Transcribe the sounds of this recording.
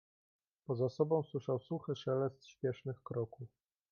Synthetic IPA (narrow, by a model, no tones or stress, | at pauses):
pɔzasɔbɔ̃w̃swɘʂawsuxɘʂɛlɛst̪ɕpʲjɛʂnɘxkɾɔkuf